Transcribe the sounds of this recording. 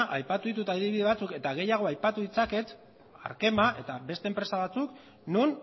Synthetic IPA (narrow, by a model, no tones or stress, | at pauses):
ʔajpat̪uðit̪̬ut̪aiðiβiðe̞β̞at͡suke̞t̪aɣ̞e̞jaɣ̞o̞ajpat̪uðit͡sake̞t̪ | a̰ɾke̞maʔe̞t̪aβe̞st̪e̞mpɾe̞saβat͡suk | nun